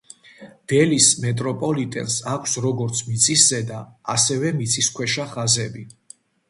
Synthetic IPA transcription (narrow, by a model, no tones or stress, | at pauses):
d̪̥ɛlismɛt̪ʼɾɔpʼɔlit̪ʼɛ̰nsakʷʰsɾɔɡɔɾt̪sʰmit̪sʰiszɛd̪a̰ːsɛvɛmit̪sʰiskʰwɛʃaχazɛbi